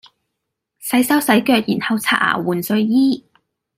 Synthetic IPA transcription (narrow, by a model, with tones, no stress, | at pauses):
sɐ˨˥jsɐ˥wsɐ˨˥jkœː˧k̚jiː˨˩nhɐ˨˧wt͡sʰa̰ː˧˩ʔa̰ː˨˩wuː˨nsɵ˧ɥjiː˥